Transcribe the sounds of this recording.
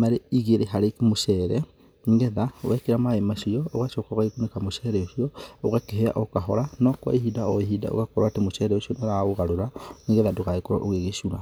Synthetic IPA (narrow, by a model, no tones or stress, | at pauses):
maɾeiɣeɾeɦaɾekmoʃɛɾɛ | niŋɡɛðawɛkeɾamaemaʃiɔoɣaʃokaɣaikunekamoʃɛɾɛoʃiɔoɣakeɦea̰ʔokaɦɔɾanɔkwa̰iɦidaɔeɦida̰o̰ɣakoɾaotemoʃɛɾɛoʃiɔnaɾaoɣaɾoɾaniŋɡɛðadoɣaekoɾa̰ʔoɣeɣeʃuɾa̰